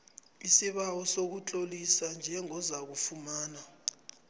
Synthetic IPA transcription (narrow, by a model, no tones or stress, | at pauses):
isiɓawɔsok̬ut͡ɬʼolisand͡ʒʱɛŋɔzak̬ufumaːna